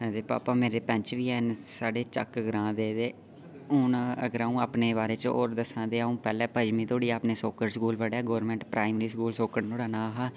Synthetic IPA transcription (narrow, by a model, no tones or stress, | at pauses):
ɛd̪eːpa̰ːpaːmeːɾeːpɛ̃ɲt͡ʃʋiːɛːnsaːɖeːt͡ʃə̰kɡəɾãːd̪eːd̪eː | ʊnəɡəɾaːũːaːpneːbaːɾeːt͡ʃo̰ːɾd̪əsãːd̪eːaːũːpɛːlɛːpəd͡ʒmĩːt̪ʰoːɽiːaːpneːsoːkəɾskuːlʋəɽɛːɡoːɾmɛ̃ːɳʈpɾaːɪmɾiːs̬kuːlsoːkəɽt̪ʰoːɽaːnãːɦaː